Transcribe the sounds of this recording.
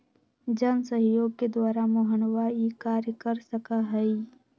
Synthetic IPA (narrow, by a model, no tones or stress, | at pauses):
d͡ʒənsəɦjoːɡ̚ked̪waːɾamoɦənʋaːikaːɾjəkəɾsəkaɦɛi